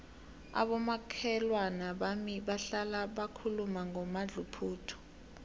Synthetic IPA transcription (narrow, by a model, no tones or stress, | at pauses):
a̰ɓɔmakʰɛlwanaɓamiɓaɬalaɓakʰulumaŋɔmaɮupʰuːtʰɔ̥